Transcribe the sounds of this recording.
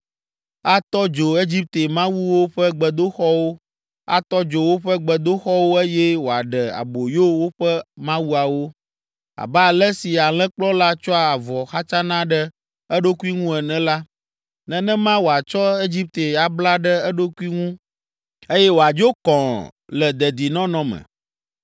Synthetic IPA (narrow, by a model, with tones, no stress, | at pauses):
a˦t̪ɔ˦d͡ʒo˨e˦d͡ʑi˦p̚t̪e˨mã˦wu˦wo˦ɸɛ˦ɡ͡bɛ˨d̪o˦xɔ˦wo˦ | a̰˦˨t̪ɔ˦d͡ʒo˨wo˦ɸɛ˦ɡ͡bɛ˨d̪o˦xɔ˦wo˦e˦jɛ˦wo˨a˨ɖɛ˨a̰˨bo˨jo˦wo˦ɸɛ˦mã˦wu˦a˨wo˦ | a̰˨bɛ˦a˨lɛ˦si˨a˨l̃ɛ̃˦k͡plɔ˦la˦t͡ʃɔ˦a˨a˨vɔ˨xa˦t͡ʃa˦nã˦ɖɛ˦ | ɛ˦ɖo˦ku˦i˦ŋũ˦ɛ˨nɛ̃˦la˦ | nɛ̃˨nɛ̃˦mã˦wo˨a˨t͡ʃɔ˦e˦d͡ʒi˦p̚t̪e˨ja˨bla˦ɖɛ˦ɛ˦ɖo˦ku˦i˦ŋũ˦ | e˦jɛ˦wo˨a˨d͡ʒo˦kɔ̃˨lɛ˨d̪ɛ˨d̪i˨nɔ̃˦nɔ̃˦mɛ̰̃˨